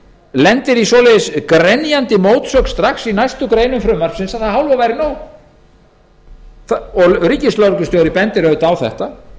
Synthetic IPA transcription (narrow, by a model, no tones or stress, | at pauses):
lɛnt̪ɪɾisvɔlejðʏskɾɛnjant̪ɪmoːwt̪sœk̪st̪ɾaxsinajst̪ʏkɾeːjnʏmfɾʏmːar̥psɪnsaðθaðhawlvavajɾɪnoːw | θaɔɣriːcɪslœɾkʏst̪jowɾɪpɛnt̪ɪɾœðt̪awθɛ̰ht̪a